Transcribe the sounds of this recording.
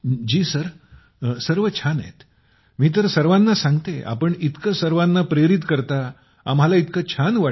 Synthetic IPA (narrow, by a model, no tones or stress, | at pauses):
d͡ʑiːsəɾ | səɾʋət͡ɕʰanḛt̪ | miːt̪̬əɾsəɾʋanːasãŋɡt̪eʔa̰pəɳit̪kəsəɾʋanːapɾeɾit̪kəɾt̪aː | mɦalait̪kət͡ɕʰanʋa